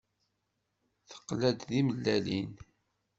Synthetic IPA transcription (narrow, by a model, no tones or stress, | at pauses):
θə̥qlæd̪ðiməlːælin